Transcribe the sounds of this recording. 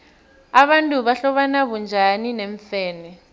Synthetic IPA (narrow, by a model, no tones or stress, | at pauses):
aɓantʼuβaɬɔɓanaβund͡ʒʱanineɱfeːni